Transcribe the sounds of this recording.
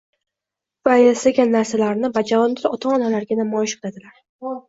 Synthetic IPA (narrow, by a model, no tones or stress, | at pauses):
v̥ajesaɡʲanːaɾsalaɾnɪvad͡ʒavɒnd̪ɪɾɒt̪ʰɒːnalaɾɡʲanamɒjɪʃqʰɨlad̪ɪlaɾ